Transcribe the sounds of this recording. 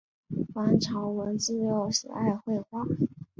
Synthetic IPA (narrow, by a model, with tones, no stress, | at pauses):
xwa˧˥nʈ͡ʂʰɑ˧˥ʊwə˧˥nt͡sɹ̩˥˩jo˧˥˩ʊʂ̩˨˩a˥˧ɪxwe˥˧ɪxwa˥˩